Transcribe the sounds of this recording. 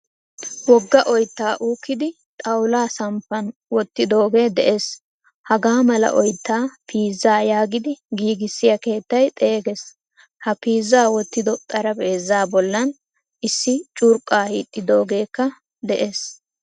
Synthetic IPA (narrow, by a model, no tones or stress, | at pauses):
wɔɡːɐʔɔjt̪ːaːʔuːkːɪd̪ɪ | t̪ʼɐwlaːsɐmpːɐnwɔt̪ːɪd̪o̞ːɡe̞ːd̪ɛʔe̞ːs | hɐɡaːmɐlɐ̰ʔɔjt̪ːaːpʰiːzːaːjaːɡɪd̪ɪɡiːɡɪsːɪjɐke̞ːt̪ːɐjt̪ʼe̞ːɡes | hɐpiːzːaːwɔt̪ːɪd̪ɔt̪ʼɐɾɐbe̞ːzaːbɔlːɐn | ʔɪsːɪt͡ʃʼʊɾkʼːaːhiːt̪ʼːɪd̪o̞ːɡe̞ːkːɐ | d̪ɛʔe̞ːs